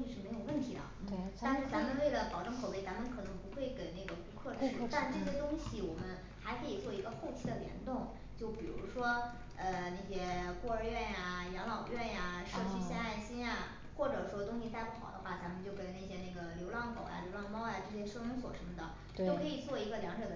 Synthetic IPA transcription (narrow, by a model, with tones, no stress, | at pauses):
ɕi˧˥ʂɻ̩˥˩me˧˥ɪjo˨˩ʊwə˥˩nt̪ʰi˧˥d̪ə̰˧˥t̪a˥˧nʂɻ̩˥˩t͡sa˥˧˥mə˧nwe˥˩ɪlə˩pɑ˨˩ʊʈ͡ʂɤ˥˧ŋkʰʊpe˥˩ɪt͡sa˧˥mə˧nkʰɤ˨˩nɤ˧˥ŋpu˧˥xwe˥˩ɪke˨˩ɪna˥˩ɡə˩pu˧˥kʰwɤ˥˩˥t̪a˥˧nʈ͡ʂɤ˥˩ɕ̬jɛ˥t̪ʊ˥ŋɕi˨wɔ˨˩mə˦n | xa˧˥ɪkʰɤ˧˥i˨˩t͡swɔ˥˩i˧˥ɡə˧xo˥˩ʊt͡ɕʰi˧˥d̪ə˨ljɛ̰˧˥nt̪ʊ˥˩ŋ | t͡ɕjo˥˩ʊpi˨˩ɻṵ˧˥ʂwɔ˥ | ə˧ne˥˩ɕjɛ˥kwɔ˥˩ə˞˧ɥɛ˥˩nja˩jɑ˧˥ŋlɑ˨˩ʊɥɛ˥˩nja˨˩ʂɤ˥˧t͡ɕʰy˥˧ɕjɛ˥˧na˥˩ɪɕi˥nja˧ | xwɔ˥˩ʈ͡ʂɤ˨˩ʂwɔ˥t̪ʊ˥ŋɕi˧t̪a˥˩ɪpʰɑ˨˩ʊd̪ə̰˦xwa˥˩t͡sa˧˥nmə˧nt͡ɕjo˥˩ʊke˥˩ɪne˥˩ɕjɛ˥ne˥˩ɡə˩ljo˧˥ʊlɑ˥˩ŋkʰo˨˩ʊja̰˧ljo˧˥ʊlɑ˥˧ŋmɑ˥ʊja˨˧ʈ͡ʂɤ˥˩ɕjɛ˥ʂɤ˥˧nʊ˧˥ŋs̬wɔ˨˩ʂə˧˥mə˧˩d̪ə˩ | t̪t̪o˥ʊkʰɤ˧˥i˨˩t͡swɔ˥˩i˧˥ɡə˧ljɑ˧˥ŋʈ͡ʂɤ˨˩d̪ə